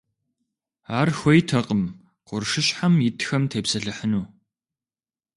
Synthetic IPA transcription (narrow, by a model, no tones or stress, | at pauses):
aːrxʷɔjtʰɐqʼəm | qʷʊrʂɨɕħamjɪtxɐmtʰeːpsɐɬɨħənuː